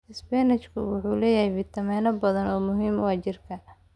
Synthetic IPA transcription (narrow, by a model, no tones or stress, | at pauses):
ɪsbɛnɪt͡ʃkʰʊwʊħuːlɛːjɐhɛjfɪt̪ʰɐmɛːnɐbɐðɐnɔːmʊɦiːmʊɐt͡ʃɪrkʰɐ